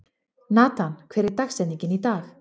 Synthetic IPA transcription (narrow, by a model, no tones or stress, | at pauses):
nat̪ʰankʰeɾet̪axsɛnikʲinit̪ax